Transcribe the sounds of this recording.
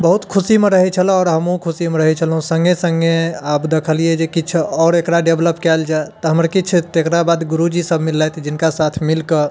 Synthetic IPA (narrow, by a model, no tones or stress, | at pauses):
bəɦut̪kʰusimeɾəɦɛt͡ʃʰəl̃ɔːɾɦəmɦũkʰusimeɾəɦɛt͡ʃʰəlɦũsəŋɡesəŋɡeapd̪ekʰəlijed͡ʒekit͡ʃʰɔːɾekɾaɖebləpkɛld͡ʒaet̪ɔɦəmɾkit͡ʃʰt̪ekɾabad̪ɡuɾud͡ʒisəbmilːajt̪ʰd͡ʒinkasat̪ʰmilkə